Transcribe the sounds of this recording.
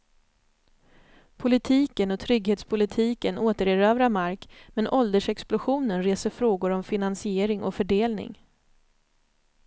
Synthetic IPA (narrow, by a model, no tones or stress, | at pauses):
pʰʊlɪt̪ʰiːkənɔt̪ʰɾʏɡheːt̪spʰʊlɪt̪ʰiːkənoːt̪əɾɪɾœːvɾamaɾkmɛnʔɔld̪əʂɛksplʊɧuːnənɾeːsəfɾoːɡʊɾɔmfɪnansɪeːɾɪŋɔ̰fœɖeːlnɪ̰ŋ